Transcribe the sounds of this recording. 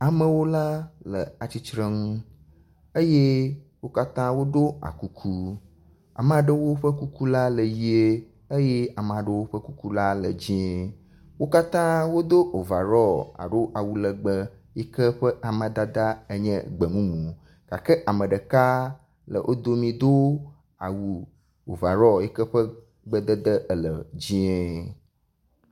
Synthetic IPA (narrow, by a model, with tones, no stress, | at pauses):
a˨mə̃˨wo˦la˦lə˨a˨t͡ɕi˦t͡ʃɾə̃˦ŋũ˦ | ə˦je˦ | wo˦ka˦t̪ã˦wo˦ɖo˦a̰˨ku˦kʰu˦ | a̰˨m˨a˨ɖə˦wo˦ɸə˦ku˦ku˦la˦lə˨ji˦e˦ | ə˦je˦a˨m˨a˨ɖə˦wo˦ɸə˦ku˦ku˦la˦lə̰˨d͡ʑĩ˦e˦ | wo˦ka˦t̪ã˦wo˦d̪o˦ʔo˨va˨ɾɔ˦a̰˨ɖo˦ʔa˨wu˨lə˨ɡ͡bə˦ | jɛ˦kə˦ɸə˦ʔa˨mə̃˨d̪a˦d̪a˦ə˦ɲɛ̰̃˦ɡ͡bə˨mũ˦mũ˨ | ka˨kə˦ʔa˨mə̃˨ɖə˨ka˦ | lə̰˨ʔo̰˦d̪o˦mĩ˨d̪o˦ | a˨wu˨ | o̰˨va˨ɾɔ˦jɛ˦kə˦ɸə˦ | ɡ͡bə˦d̪ə˦d̪ə˦ʔə˨lə˨d͡ʑĩ˦e˦